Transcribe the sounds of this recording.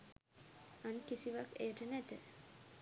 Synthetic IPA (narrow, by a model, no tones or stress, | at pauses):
ankisiʋakejəʈənæt̪ə